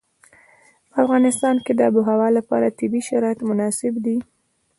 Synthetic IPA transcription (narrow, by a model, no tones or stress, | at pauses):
pəafɣɑnɪst̪ɑnked̪əabʊɦawɑlapɑ̰ɾat̪ɪbiʃaɾɑjat̪mʊnɑsɪbd̪i